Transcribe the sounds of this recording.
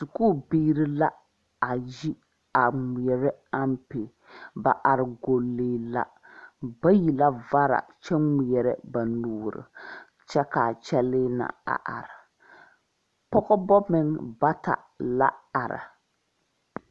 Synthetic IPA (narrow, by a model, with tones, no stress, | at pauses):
su˨kuː˦˨biː˦ɾɨ˦la˦ | a˨ji˦ | a˨ŋi˨ɛ˨ɾɛ˦a˦mpɪ˨ | ba˨ʔa˨ɾɨ˨ɡo˨lːeː˦la̰˦ | ba˦ji˨la˦va˦ɾa̰˨t͡ʃɛ˦ŋi˨jɛ˨ɾɛ̰˦ba˨nuː˨ɾɨ̰˨ | t͡ʃɛ˦ka˨t͡ʃɛ˦lɪː˦na̰˨a̰˨ʔa˨ɾa˨ | pɔ˦ɣɔ˦bɔ˦mɪ˦ŋba˦ta̰˨ | la̰˦a˨ɾa̰˨